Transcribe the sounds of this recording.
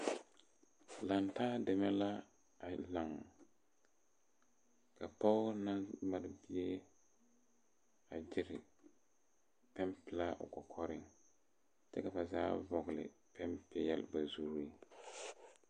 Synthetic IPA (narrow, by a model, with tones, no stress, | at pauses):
la˨ntaː˦dɛ˨mɛ˦la˦ | a˨la˨ŋ | ka˨pa˦ʊ˦na˦ma˦ɾbɪ˦e˦ | a˨d͡ʒɪ˦ɾɪ˨ | pɛ˦mpɪ˨la˦ʔʊ̰˨kɔ˨kʰɔ˦ɾɪ˦ŋ | t͡ʃɛ˦ka˨ba˨za̰ː˦vɔ˨ɣlɪ̰˨ | pɛ˦mpjɛ̰˦lba˨zu˦ɾi˦